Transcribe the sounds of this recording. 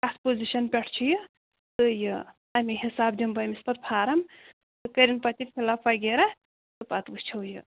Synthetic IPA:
kɐspoziʃɐnpʲɛʈʰt͡ʃʰijɨ | t̪ɨjɨ | ɐmiɦisaːb̚d̪ʲimbɐmʲispɐt̪̚pʰaːɾɐm | t̪ɨkəɾʲinpɐt̪ikʰʲilafɐɡeɾɐ | t̪ɨpɐt̪bɨst͡ʃʰɐwjɨ

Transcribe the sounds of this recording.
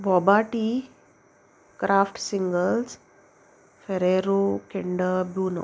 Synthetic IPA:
bɔbaːʈi | kɾʔaːfʈsiŋɡəls | feɾeɾokeɳɖəbjuːno̰

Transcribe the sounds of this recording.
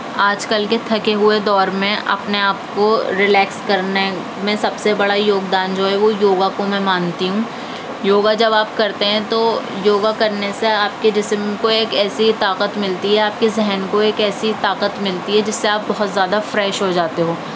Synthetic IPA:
aːd͡ʒkɐlket̪ʰɐkeɦʊed̪ɔːɾmẽʔɐ̰pneaːp̚koɾɪlɛːkskɐɾne | mẽsɐbsebɐɽajoːɡd̪aːnd͡ʒoːɦɛʋojoːɡakomɛ̃maːnt̪iɦũ | joːɡad͡ʒɐbaːpkɐɾt̪eɦɛ̃t̪o | joːɡakɐɾneseaːp̚keɖɪsmkoeːkɛːsit̪aːqət̪mɪlt̪iɦɛaːp̚kezɛɦɛnkoeːkɛːsit̪aːqət̪mɪlt̪iɦɛd͡ʒɪsːeaːp̚bɐɦʊt̪zjaːd̪afɾɛːʃɦod͡ʒaːt̪eɦoː

